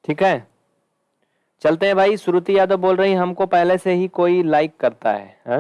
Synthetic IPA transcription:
ʈʰiːkɦɛː | t͡ʃɐlt̪eɦɛ̃bʱaːisʊɾut̪ijaːd̪oboːlɾɐɦĩɦɐmkopɛɦleseɦikoːilaːɪkːɐɾt̪a̰ɦɛ̰ːɦãː

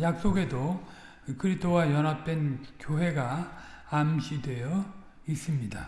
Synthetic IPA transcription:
jak̚s͈oɡe̞do | kɯɾistʰowajʌnɦap̚t͈e̞nkjoɦe̞ɡa | amɕʰidwe̞jʌ | is͈ɯmɲida̰

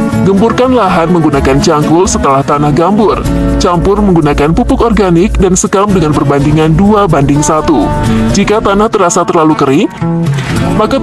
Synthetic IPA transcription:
ɡəmpurkanlaɦanməŋɡunakant͡ʃaŋkʊlsət̪əlaht̪anahɡambʊr | t͡ʃampʊrməŋɡunakanpupʊkɔrɡanɪk̚dansəkam̚dəŋanpərbandiŋanduabandɪŋsat̪ud͡ʒikat̪anaht̪əɾasat̪ərlalukəɾɪŋ | maka

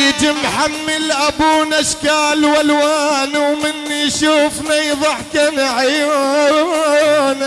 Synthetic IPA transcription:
t̪ɪmħamːɪlʔabunaʃkaːlwalwaːnwmɪnːiʃuːfnajðˤɑħkanaʕaja | n

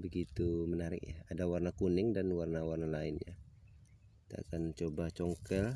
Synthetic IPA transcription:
bəɡit̪umənaɾɪ̰k̚jaadawarnakunɪŋdanwarnawarnalaɪnɲa | kit̪aa̰kant͡ʃobat͡ʃɔŋkɛl

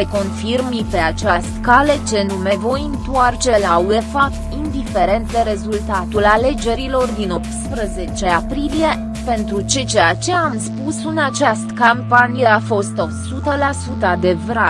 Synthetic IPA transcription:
eko̞nfirmipe̞at͡ʃast̪kale̞t͡ʃe̞nume̞vo̞jɨnt̪uart͡ʃe̞laue̞fap̚t̪ind̪ife̞ɾe̞nt̪d̪e̞ɾe̞zult̪at̪ulale̞d͡ʒe̞ɾilo̞rd̪ino̞p̚t̪spɾəze̞t͡ʃe̞apɾilije̞ | pe̞nt̪ɾut͡ʃe̞t͡ʃejat͡ʃe̞amspusɨnat͡ʃast̪kampanije̞afo̞st̪o̞sut̪əlasut̪əad̪e̞vɾa

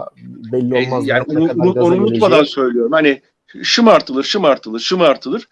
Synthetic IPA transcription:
jaːnionuunuonuunut̪mad̪ansø̞jlʲijo̞ɾumhanɪ | ʃɯmaɾt̪ʰɯlˠɯɾʃɯmaɾt̪ʰɯlˠɯɾʃɯmaɾt̪ʰɯlˠɯɾ̥

